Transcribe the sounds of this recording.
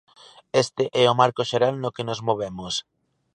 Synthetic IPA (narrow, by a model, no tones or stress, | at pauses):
est̪eʔɛomaɾkoʃeɾalnokenozmoβ̞emos